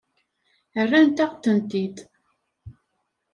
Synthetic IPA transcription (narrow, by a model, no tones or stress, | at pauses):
ərːænt̪æqt̪ənt̪id̪